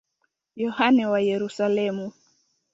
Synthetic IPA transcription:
jɔhanɛwajɛɾusalɛmu

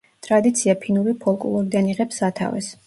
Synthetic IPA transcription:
t̪ʼɾad̪it̪sʰiapʰinuɾipʰɔlˠkʼṵlˠɔɾid̪aniʁɛpsat̪ʰa̰vɛ̰s

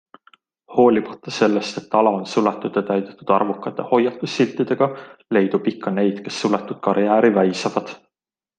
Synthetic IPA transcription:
ho̞ːlʲimɑ̥t̪ːˑɑse̞lːest̪e̞t̪ːɑlɑonsulet̪ːˑud̪et̪æjd̪̥et̪ːˑud̪̥ɑrvukːˑɑt̪ˑːe̞ho̞jːɑt̪ːˑusːilt̪ːid̪̥e̞ɡ̥ɑle̞jd̪̥upikːˑɑne̞jd̪̥ke̞sːulet̪ːud̪̥̚kɑɾjæːɾivæjsɑvɑd̪̥

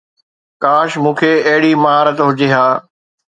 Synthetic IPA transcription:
kaːʃmũːkʰeːɐɦɪɽimɐɦaːɾət̪ɦʊd͡ʑeːɦaː

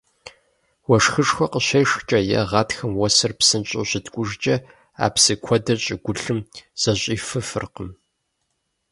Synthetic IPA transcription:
wɔʂxɨʂxʷɐqəɕɐjʂxt͡ʃʼɐjɐ̰ʁɑːtxɐmwɔsɐrpsɨnɕʼo̰ɕɪtkʷʼʊʒt͡ʃʼɐ | a̰ːpsɨkʷʰɔdɐɕʼɪɡʷʊɬɨmz̥ɐɕʼiːfɨfɨ̰rqəm

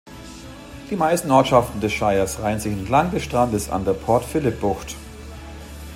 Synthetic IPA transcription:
d̥iːmaɪstn̩ʔɔɐtʃaftn̩dɛsʃaɪɐsʁaɪənzɪçɛntlaŋdɛsʃtʁ̥andəsa̰ndeːɐpʰɔɐtfɪlɪp̚b̥ʊxt

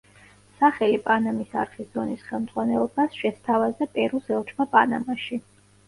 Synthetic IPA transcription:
saχɛlipʼanamisaɾχʰisz̥ɔnisχɛlˠmd̪z̥ʼʁwanɛlˠɔbasʃɛst̪ʰavazɛpʼɛɾusɛlˠt͡ʃʰmapʼana̰maʃi

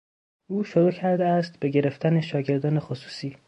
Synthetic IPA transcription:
ʔuːʃoɾuːcʰæɾd̪eæst̪be̞ɟe̞ɾe̞ft̪æne̞ʃɒːɟe̞ɾd̪ɒːne̞xosu̥ːsiː

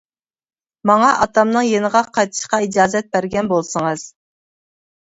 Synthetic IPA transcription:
mɑŋɑʔɑt̪ʰɑmnɨŋjenəʁɑqʰɑjt̪ʰɨ̥ʃqɑid͡ʒɑːzɛt̪̚bæɾɡʲɛnbolˠsəŋɨz̥

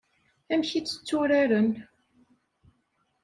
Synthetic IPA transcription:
æmçit͡sːə̥t͡sːuɾaɾən

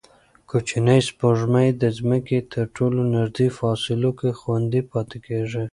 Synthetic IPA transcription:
kot͡ʃinəjspoʐmajd̪əzməket̪ʰəɾʈʰolonaɾd̪ifɑsɪlokexwand̪ipɑt̪ekeʐi

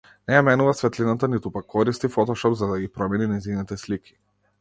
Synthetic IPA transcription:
nɛjamɛnuvasvɛt̪linat̪anit̪upakːɔɾist̪ifɔt̪ɔʃɔpzad̪aɡipɾɔmɛninɛjzinit̪ɛslikʰi̥

